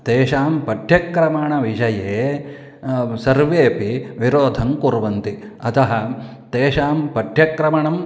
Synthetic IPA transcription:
t̪eːʃaːmpɐɖ̪ʱjɐkɾɐmaɳɐʋid͡ʒɐjeː | sɐɾʋeːpiʋiɾoːd̪ʱɐmkuɾʋɐnt̪i | ɐt̪ɐɦɐ̆ | t̪eːʃaːmpɐd̪ʱjɐkɾɐmɐɳɐm

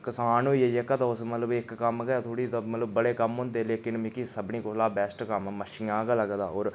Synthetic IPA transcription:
kɪsaːniːejekət̪aːʊsmət̪ləbɪkkəmɡɛt̪ʰoːɽiːt̪ːmət̪ləbːəɽeːkəmɦʊ̃nd̪eːleːkɪnmɪkisəbniːkolaːbɛːsʈkəmməʃiːãːkaləɡd̪a̰ːoːɾ

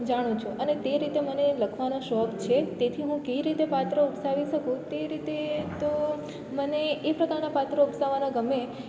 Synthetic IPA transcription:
d͡ʒaɽ̃ũt͡ʃʰuənet̪eɾit̪eməneləkʰʋanoʃɔkt͡ʃʰet̪et̪ʰiɦũkəʋiɾit̪epat̪ɾəupsaʋiʃəkũt̪eɾit̪et̪o | məneːpɾəkaɾnapat̪ɾəupsaʋːanaɡəme

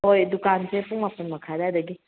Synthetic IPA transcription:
ojdukansepuŋmapɐnmɐkʰadeadɐɡi

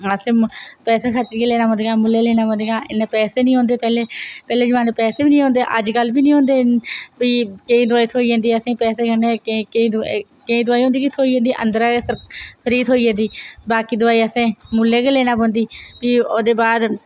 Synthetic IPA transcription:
əsẽːpɛːseːkʰat̪ːiːkeːleːnaːbə̃nd̪ɡaːmʊlːeːleːnaːbõnd̪eɡaːɪnːpɛːseːnĩːɦõːnd̪eːpɛːleːpɛːleːd͡ʒəʋaːneːpɛːseːbiːnĩːõːnd̪eːʔəd͡ʒɡəlbiːnĩːɦoːnd̪eːbiːkəĩːd̪ʊaːiːt̪ʰoːiːd͡ʒãːnd̪iːəsẽːpɛːseːkəneː | kəĩːd̪ʊaːiːɦõːd̪iːkit̪ʰoːiãːnd̪iːʔənd̪əɾasəɾkʰəɾiːt̪ɦoːiːd͡ʒãːnd̪iːbaːkiːd̪ʊaːiːəsẽːmʊlːeːkeːleːnaːbõːnd̪iːpiːoːd̪eːbaːd̪

